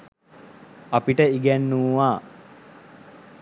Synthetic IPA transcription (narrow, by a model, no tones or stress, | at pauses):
ɐpiʈəiɡænːuːʋaː